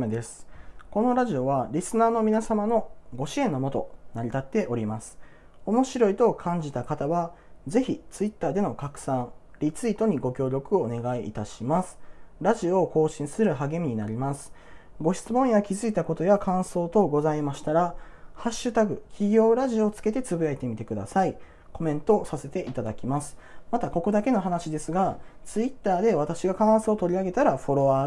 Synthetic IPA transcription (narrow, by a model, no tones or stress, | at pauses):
d̪e̞sɨ̥ko̞no̞ɾaʑio̞βaɾʲisɨnaːno̞mʲinasamano̞ɡo̞ɕiẽ̞nːo̞mo̞t̪o̞̰naɾʲit̪at̪ːe̞ʔo̞ɾʲimasɨ̥ | o̞mo̞ɕiɾo̞it̪o̞kʰãɲ̟d͡ʑit̪akat̪aβa | ze̞çit͡sɨit̪ːaːd̪e̞no̞kakɯ̟̥sãɴɾʲit͡sɨit̪o̞ɲ̟iɡo̞kʲo̞ːɾʲo̞kɯ̟one̞ɡaḭːt̪aɕimasɨ̥ɾaʑio̞ːko̞ːɕĩɰ̃sɨɾɯ̟ɦaɡe̞mʲiɲ̟inaɾʲimasɨ̥ | ɡo̞çi̥t͡sɨmõ̞ɰ̃jakʲizɨit̪ako̞t̪o̞jakãɰ̃so̞ːt̪o̞ɡo̞zaimaɕi̥t̪aɾa | haɕːɨt̪aɡɯ̟kʲiɡʲo̞ːɾaʑio̞ːt͡sɨ̥ke̞t̪e̞t͡sɨbɯ̟jait̪e̞mʲit̪e̞kɯ̟d̪a̰sai | ko̞mẽ̞nt̪o̞ːsase̞t̪e̞ʔit̪ad̪akʲimasɨ̥mat̪ako̞ko̞d̪ake̞no̞ɦanaɕid̪e̞sɨɡat͡sɨit̪ːaːd̪e̞β̞at̪aɕiɡakãɰ̃so̞ːt̪o̞ɾʲiaɡe̞t̪aɾaɸo̞ɾo̞βa